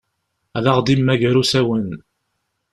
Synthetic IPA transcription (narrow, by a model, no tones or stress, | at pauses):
æðɑʁd̪imːæʝəɾusæwən